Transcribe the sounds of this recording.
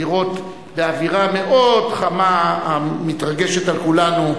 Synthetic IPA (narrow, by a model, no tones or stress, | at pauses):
iʁo̞t̪ | beaviʁame̞ʔo̞dχamaamit̪ʁaɡe̞ʃetalkulanu